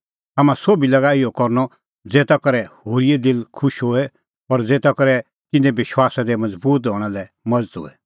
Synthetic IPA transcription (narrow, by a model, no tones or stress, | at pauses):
amãsobilɐɡaɪɔkɔɾnɔ | d͡zeːt̪akɐɾɛhoːɾied̪ɪlkʰʊʃɦoːɛ | ɐɾd͡zeːt̪akɐɾɛ | t̪ɪnɛ̃bɪʃwaːsad̪ɛmɐd͡zbuːt̪̬ɦɔɽ̃alɛ | mɐd͡zət̪ɦo̰ːɛ